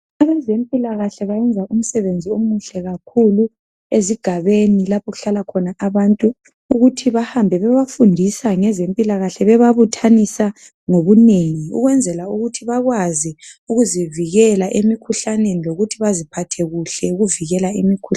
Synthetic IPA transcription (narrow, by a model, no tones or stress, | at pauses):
aβɛzempʼilaɣaɬɛβajɛnd͡zʱaʔum̩sɛβend͡zʱiomuɬɛɣakʰulu | eziɡ̥ʱaβenilapʰɔɣuɬalakʰɔnaʔaβantʼu | uɣutʰiβahambʱɛβɛβafundʱisaŋɛzempʼilaɣaɬɛβɛβaβutʰanisa | ŋoβuneŋiṵɣwɛnd͡zʱɛlauɣutʰiβaɣwaziuɣuziviɣɛlaʔemikʰuɬaneniloɣutʰiβazipʰatʰɛɣuɬɛuɣuviɣɛlaimikʰu